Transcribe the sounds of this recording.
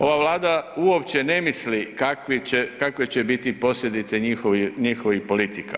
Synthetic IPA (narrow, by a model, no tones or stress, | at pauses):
o̞ʋaʋlaːd̪auopt͡ɕe̞ne̞mislikakʋiekakʋe̞t͡ɕe̞bit̪ipo̞sʎʲe̞d̪it̪se̞ɲixoʋiɲixo̞ʋixpo̞lit̪ika̰